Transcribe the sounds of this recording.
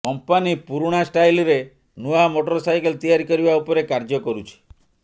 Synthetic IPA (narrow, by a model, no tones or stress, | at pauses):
kɔmpanipuɾuɽ̃asʈajlɔɾe | nuamoʈɔɾɔsajkelt̪ijaɾikɔɾibaupɔɾekaɾd͡ʒɔkɔɾut͡ʃʰi̥